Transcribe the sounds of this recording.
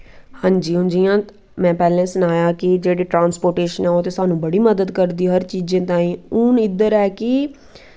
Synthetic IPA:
hãːɲd͡ʒiːɦʊnd͡ʒiːjãː | mɛ̃ːpɛːlẽːsənaːjaːkɪd͡ʒeːɽeːʈɾãːnspoːɾʈeːʃənɛːoːt̪eːsaːnũːbəɽiːməd̪əd̪kəɾd̪iːɦəɾt͡ʃiːd͡ʒẽːt̪aːĩːʊnɪd̪əɾɛːkɪ

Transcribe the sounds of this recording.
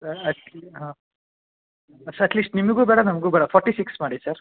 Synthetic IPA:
sɐɾɐʈɦãː | ɐsɐɾɐʈliːsʈnimɐɡuːbeːɽɐnɐmɐɡuːbeːɽɐfʰɔːɾʈːiːsiksmaːɽisɐɾ

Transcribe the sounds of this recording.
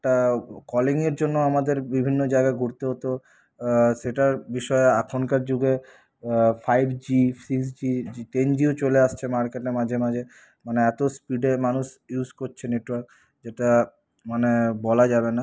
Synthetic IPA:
ɛʈakɔliŋeɾd͡ʑonːoamad̪eɾbibʱinːod͡ʑaeɡaeɡʱuɾt̪eɦot̪eo | ʃeʈaɾbiʃɔeakʰonkaɾd͡ʑuɡe | fajbʱd͡ʑisiks̬d͡ʑiit̪end͡ʑiot͡ɕoleaʃt͡ɕʰemaɾkeʈeɾmad͡ʑʱemad͡ʑʱe | maneɛt̪ospiɖemanuʃjuskoɾt͡ɕʰeneʈwaɾk | d͡ʑeʈa | manebɔlad͡ʑabena

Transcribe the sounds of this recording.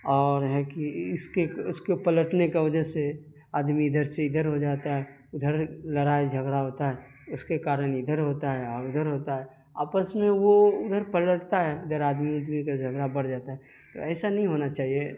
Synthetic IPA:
ɔːɾɦɛkiɪskeʊskepɐləʈnekeʋɐd͡ʒəse | aːd̪miɪd̪ʱəɾseɪd̪ʱəɾɦod͡ʒaːt̪aɦɛ | ʊd̪ʱəɾlɐɾaːed͡ʒʱɐɡɽaɦoːt̪aɦɛː | ʊskekaːɾəɽ̃ɪd̪ʱəɾɦoːt̪aɦɛɔːɾʊd̪ʱəɾɦoːt̪aɦɛ | aːpəsmẽʋoʊd̪ʱəɾpələʈt̪aɦɛɪd̪əɾaːd̪mid̪mikad͡ʒʱɐɡɽabɐɽd͡ʒaːt̪aɦɛ | t̪o̰ɛːsanɐɦĩɦoːnat͡ʃaːɦie

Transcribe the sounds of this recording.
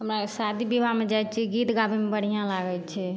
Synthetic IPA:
ɦəmɾakesad̪ʱibibʱamed͡ʒajt̪t͡ʃʰiɡit̪ɡabemebəɽ̤ijãlaɡət͡ʃʰɛ

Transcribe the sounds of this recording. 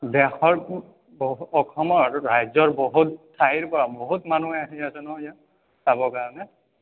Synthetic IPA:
bɛxɔɹ | bɔɔkʰɔmɔɹɹajzɔɹboɦuttʰːaɦiɹpɔɹaboɦutmanuɛaɦiasɛnɔɦɔja | saβɔkaɹɔnɛ

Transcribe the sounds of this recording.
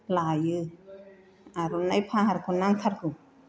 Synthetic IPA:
lajɯ | aɾunajpʰaɦaɾkʰunaŋt̪ʰaɾku

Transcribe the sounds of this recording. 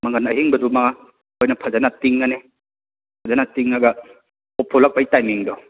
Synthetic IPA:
mɐŋɐnɐɦiŋbɐduma | ojnɐpʰɐzanatiŋːɐne | pʰɐzanatiŋːaɡɐ | ɔpʰolak̚bajtajmiŋdɔ

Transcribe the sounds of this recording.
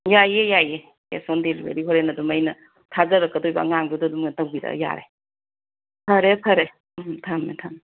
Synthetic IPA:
jajejaje | ḛsondelibḛɾiɦoɾenɐdumɐjnɐ | tʰazɐɾɐkːɐdojba̰ŋaŋdudadumɡatɐwbidɐ̰ja̰ɾḛ | tʰɐɾetʰɐɾe | mtʰametʰame

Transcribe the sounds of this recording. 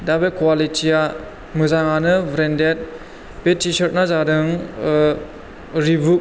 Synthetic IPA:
dabekwalitʰija | mɯzaŋanɯbʱɾendet̚ | petisɔɾnazaɾɯŋ | ɾibuk̚

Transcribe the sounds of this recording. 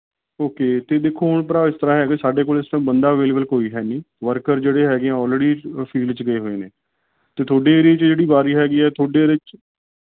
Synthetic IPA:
oːkeːt̪eːd̪eːkʰːoːɦʊɳpəɾaːɪst̪əɾaːɦɛːkɪsaːɖeːkoːlɪsʈəmbənd̪aːəʋeːleːbəlkoːiːɦɛːniː | ʋəɾkəɾd͡ʒeːɽeːɦɛːɡeãːɔːlɾeːɖiːpʰiːɖt͡ʃɡəeːɦoːeːneː | t̪eːt̪ʰoːɖeːɾeːt͡ʃd͡ʒeːɽiːbaːɾiːɦɛːɡiːɛːt̪ʰoːɖeːɾɪt͡ʃ

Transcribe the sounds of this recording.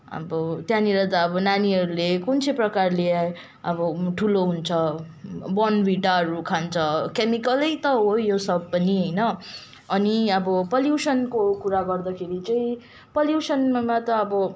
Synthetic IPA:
ʌ̰bʌt̪jãniɾʌt̪aʌbʌnaniɦʌɾulekunt͡sʰeprʌkarlea | ʌbʌʈʰuloɦunt͡sʰʌ | bʌnbiʈaɦʌɾukʰant͡sʰʌkemikʌlʌjt̪ʌɦojosʌb̚ːʌniɦʌjnʌ | ʌniʌbʌpʌljuwsʌnkokuɾaɡʌrd̪ʌkʰeɾit͡sʌĩ | pʌljusʌnmmat̪ʌːbʌ

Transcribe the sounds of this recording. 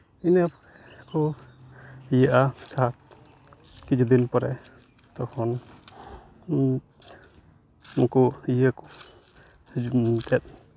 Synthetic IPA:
inapɔɾɛkɔ | ijəʔasak̚ | kid͡ʒud̪inpɔɾɛ | t̪ɔkʰɔn | mukuijəkɔ̥ | t̪ɛt̪̚

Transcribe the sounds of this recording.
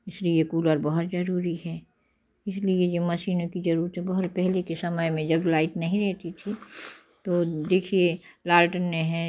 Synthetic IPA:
ɪsliekuːləɾbɐɦʊt̪zɐɾuːɾiɦɛː | ɪsliejemɐʃiːnõkid͡ʒɐɾuːɾət̪ɦɛbɐɦʊt̪pɛɦlekesɐməjmẽd͡ʒɐblaːɪʈnɐɦĩɾɛɦt̪it̪ʰi | t̪od̪eːkʰielaːlʈənmẽɦɛ̃

